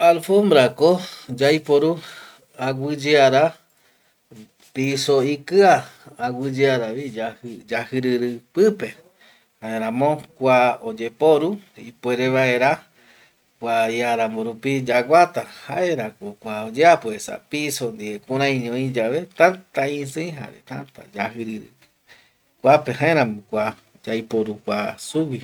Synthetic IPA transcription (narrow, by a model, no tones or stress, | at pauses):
alfõmbɾakod͡ʒajpoɾu | aɡʷɨd͡ʒeaɾa | pisoikɨaːɡɨd͡ʒeaɾaβid͡ʒahɨd͡ʒahɨɾɨɾɨpɨpe̞ | haeɾãmõkʷaod͡ʒe̞poɾuipwe̞ɾeβae̞ɾa | kʷaiaɾamõɾupid͡ʒaɡʷat̪ahaeɾakokʷaod͡ʒeapoesa̰pisond̪iekũɾãj̃ɲõĩd͡ʒaβet̪ãnt̪aĩsej̃ɦa̰ɾet̪ãnt̪a̰d͡ʒaɦɨɾɨɾɨ̰ | kʷapehaeɾãmõkʷa | d͡ʒajpoɾukʷasuwi